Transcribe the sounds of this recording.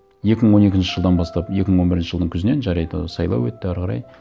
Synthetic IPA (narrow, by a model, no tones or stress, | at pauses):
je̞kʲɪməɴwo̞ne̞kʲɪnʃɪ̥ʒəlˠd̪ɑnbɑst̪ɑpje̞kʲɪməɴwo̞nbɪɾɪnʃɪ̥ʒəlˠd̪əŋkʲʰzɪne̞nʒɑɾɑjd̪ə̰sɑjlˠɑ̰wɵt̪ːɪæɾʁɑɾɑ̰j